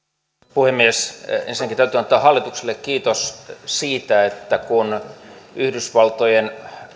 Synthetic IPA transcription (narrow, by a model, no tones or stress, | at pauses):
puhemːiesḛnsinækint̪æyt̪yːɑnt̪ːˑɑːhɑlːit̪ukselːekkiːt̪ossiːt̪æet̪ːækunyhdysʋɑlt̪ojen